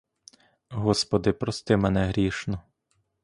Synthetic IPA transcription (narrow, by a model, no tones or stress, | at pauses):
ɦɔspɔd̪ɪpɾɔst̪ɪmɛnɛɦɾʲiʃnɔ